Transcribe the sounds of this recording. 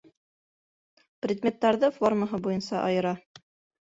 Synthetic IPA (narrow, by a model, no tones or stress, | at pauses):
prʲɪd̪mʲe̞t̪ːæɾðɤforməɦɤbujɤnsɑ̰ʔɑjɤ̆ɾɑ